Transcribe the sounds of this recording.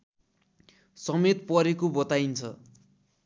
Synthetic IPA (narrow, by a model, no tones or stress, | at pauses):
sʌmet̪pʌɾekobʌt̪ajnt͡sʰʌ